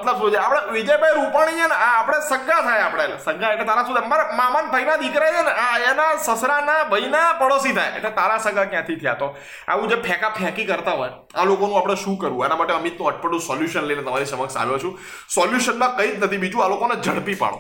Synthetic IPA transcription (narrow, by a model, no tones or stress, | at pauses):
mət̪ləbsod͡ʒeapɽ̃eʋid͡ʒəjbʱajɾupaɳ̃it͡ʃenaːpəɽ̃esəɡat̪ʰajapɽ̃esəɡʱaeʈlet̪aɾãsud̪əɾmãmant̪ʰəinad̪ikɾat͡ʃenaenasəsɾanabʱəinapəɽosit̪ʰajḛʈlet̪aɾasəɡakjãt̪ʰit̪ʰja̰t̪o | a̰ʋũd͡ʒepʰɛkapʰɦɛkikəɾt̪aɦɔj | a̰lokonũapɽ̃eʃũkəɾũenamaʈeəmit̪nũəʈ̚pəʈːũsɔljuʃənləinet̪əmaɾisəməksa̰lot͡ʃʰũ | sɔljuʃənmãkəid͡ʒnət̪ʰibid͡ʒũalokoned͡ʒʱəɽpipa̰ɽõ̰